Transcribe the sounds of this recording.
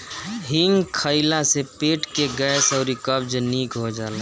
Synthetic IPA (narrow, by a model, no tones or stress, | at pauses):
ɦiŋɡkʰəɪlasepeːʈkeɡɛːsɔʊɾikəbd͡ʒniːkɦod͡ʒaːle